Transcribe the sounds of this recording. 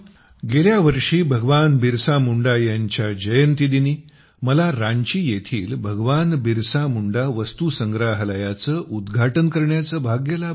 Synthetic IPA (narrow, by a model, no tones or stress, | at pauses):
ɡeljaʋəɾʂiːbʱəɡʋanbiɾsamuɳɖajaɲt͡ɕjad͡ʑəjənt̪id̪iniː | məlaɾãɲt͡ɕiːjet̪ʰiːlbʱəɡʋanbiɾsamuɳɖaʋəst̪usəŋɡɾaɦlajat͡səːʔud̪ɡʱaʈənkəɾɳjat͡səːbʱaɡjəla